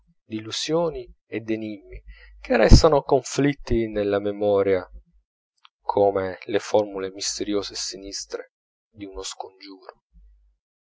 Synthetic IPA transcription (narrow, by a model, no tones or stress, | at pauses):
d̪iluz̥joːni | ed̪enimːik̟erːɛ̰st̪anokoɱflit̪ːinelːamemɔːɾja | kʰoːmelefɔrmulemist̪eɾjoːzesinist̪ɾe | d̪iunoskond͡ʒuːɾo